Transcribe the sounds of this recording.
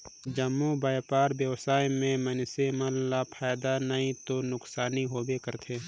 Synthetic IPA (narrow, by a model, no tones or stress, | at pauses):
d͡ʒəmːubaːjpaːɾbjəwsaːjmẽmənseməllapʰaːjd̪anɐĩt̪onʊksaːniɦoːbekəɾt̪ʰeː